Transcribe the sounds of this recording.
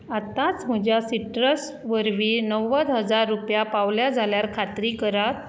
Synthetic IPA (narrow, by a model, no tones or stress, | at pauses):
at̪at͡sm̤əd͡ʑjasiʈɾəs | ʋəɾʋiːnəwːəd̪ɦəd͡zaɾːupjapaʋljad͡zʱaljaɾkʰat̪ɾiːkəɾat